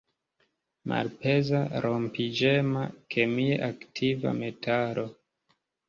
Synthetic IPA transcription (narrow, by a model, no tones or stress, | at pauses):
mʔa̰lpe̞zaɾompid͡ʒemakʰemieʔaktʰiva̰me̞tʰaɾo̞